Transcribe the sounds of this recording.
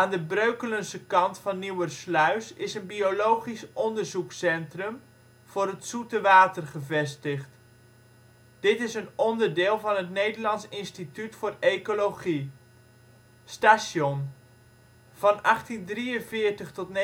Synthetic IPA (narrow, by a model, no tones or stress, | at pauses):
aːndəbrøɥkələnsəkɑntfɑnːiwərslœɥsɪsənbiolowχisɔndəɹzuksɛntrəm | v̥ʊːɾɦətsutəʋaːtərχəvɛstəχt | d̥ɪtɪsənɔndəɹdɪːlˠvɑnɦətnejdəɹlɑnsɪnstitytfʊːrejkolowχi | staːson | v̥ɑnɑχtindriənvɪːɹtəχtɔtn